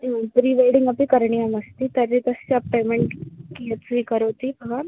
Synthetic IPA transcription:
pɾiʋeːɽɪ̃ŋɡɐpikɐɾɳijamɐst̪it̪ɐɾːit̪ɐst͡ʃapeːmẽɳʈkijət̪sʋikɐɾoːt̪ibʱɐɡʋaːn

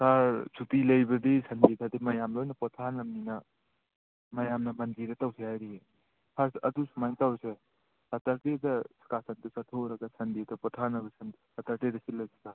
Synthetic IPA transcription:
saɾsʰutilɐjbɐd̪isʰɐndit̪ʰɐd̪imɐjamlojnɐpɔt̪ʰanɐmninɐ | mɐjamnɐmɐnd͡ʒiɾɐt̪awsʰijajɾie | hʰaɾsɐd̪usʰumajnt̪awse | ɐt̪ɐɾted̪ɐskasɐnt̪isɐt̪ʰoɾɐɡasʰɐndit̪ʰɐpɔt̪ʰanɐbɐsʰɐn | hɐt̪ɐɾted̪ɐsilojsʰika

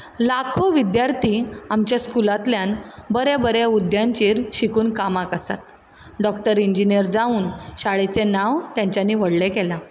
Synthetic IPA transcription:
lakʰoʋid̪jaɾt̪iːamt͡ɕjaskulat̪ljanbəɾjabəɾjaud̪jãɲt͡ɕiːɾɕikuːnkamakəsa̰t̪ | ɖɔkʈəɾiɲd͡ʑinijəɾd͡zauːnɕaɭet͡senaʋt̪jaɲt͡ɕjaniːʋəɽlekela

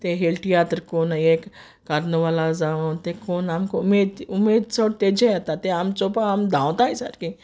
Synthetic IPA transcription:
t̪eɦeːlʈijaːt̪ɾkoːneːk | kɐɾnʋaːlazaʋot̪ekoːnamkoʊmeːd̪umeːd̪soʈt̪ed͡ʒeat̪at̪eamt͡ʃopaamd̪ʱãːʋt̪aisa̰ɾki

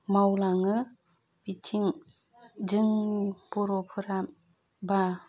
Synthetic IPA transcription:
mawlaŋɯ | b̥itʰiŋ | d͡ʒɯŋnipɔɾɔpʰɯɾam | ba

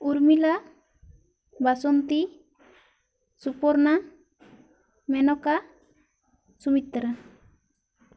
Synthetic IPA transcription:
uɾmila | basɔnt̪i | supɔɾna | mɛnɔka | sumit̪ːɾa

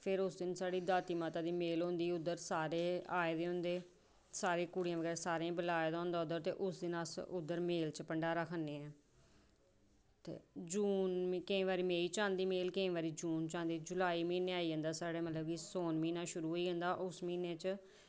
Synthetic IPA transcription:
pʰɪɾʊsd̪ɪnsaːɽiːd̪aːt̪iːmaːt̪aːd̪iːmeːlɦõːnd̪iːʊd̪ːəɾsaːɾeːaːeːd̪eːɦʊ̃nd̪eː | saːɾeːkʊɽijãːʋəɡɛːɾasaːɾãːbəlaːed̪aːɦʊ̃nd̪aːʊd̪əɾt̪eːʔʊsd̪ɪnasʊd̪ːəɾmeːlt͡ʃpəɳɖaːɾəkʰənːeːɛ̃ː | t̪ḛːd͡ʒuːnkəĩːʋaːɾiːmeːiːt͡ʃãːnd̪iːmeːlkəĩːʋaːɾiːd͡ʒuːnt͡ʃãːnd̪iːd͡ʒʊlaːiːmiːneːaːiːə̃ːnd̪aːsaːɽeːmət̪ləbkisoːnmiːnaːʃʊɾuːɦoːiːɦə̃nd̪aːʔʊsmiːneːt͡ʃ

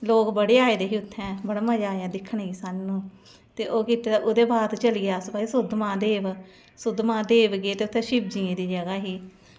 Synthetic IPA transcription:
loːkbəɽeːaːeːd̪eːɦiːʊt̪ʰːɛ̃ːbəɽmãːd͡ʒaːɛːd̪ɪkʰːəɳːɡiːsaːnũː | t̪eːʔoːkɪt̪eʔoːd̪eːbaːɾt̪t͡ʃəliːɡaːsʊbaːiːsʊd̪mãːd̪eːʋ | sʊd̪mãːd̪eːʋɡeːt̪eːʊt̪ʰːɛ̃ːʃɪb̚d͡ʒiːẽːd̪iːd͡ʒəɡaːɦiː

